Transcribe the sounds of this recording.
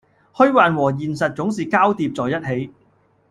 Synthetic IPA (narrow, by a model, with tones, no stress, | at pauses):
hɵ˥ɥwaː˨nwɔː˨˩jiː˨nsɐ˨t̚t͡sʊ˨˥ŋsiː˨kaː˥wt̪iː˧p̚t͡sɔː˨jɐ˥t̚he˨˥j